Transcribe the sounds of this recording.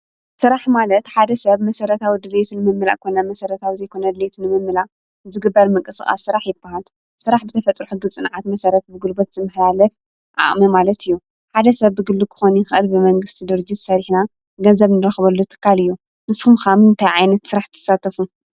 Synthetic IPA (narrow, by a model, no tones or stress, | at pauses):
sɨɾaħmalɐt̪ħad̪ɐsɐβmɐsɐɾɐt̪ʰawid̪ɨlet̪ʰunɨmɨmːɨla̰ʔkʰonɐmɐsɐɾɐt̪ʰawizɐjkʰo̞nɐd̪ɨlet̪ʰunɨmɨmːɨlaʔ | zɨɡɨbːɐɾmɨŋkʼɨsɨ̰xʼa̰ssɨɾaħjɪbːaɦal | sɨɾaħbɨt̪ʰɐfɐt͡s̪ʼɾħuɡɨt͡sʼɨnʕat̪mɐsɐɾɐt̪̚bɨɡɨlbot̪z̥ɨmːɨħlalɐf | ʔa̰χʼmɐmalɐt̪ʰɨjːu | ħad̪ɐsɐβːɨɡɨlːukʰɨ̥xonixɨʔɐlbɨmɐŋɡɨst̪ʰid̪ɨɾɨd͡ʒit̪sɐɾiħna | ɡɐnzɐβnɨɾɐxβɐlːut̪ʰɨ̥kʰːalɨjːu | nɨsxumxamɨnt̪ʰajʕajnɐt̪sɨɾaħt̪ʰɐ̥sat̪ʰɐfu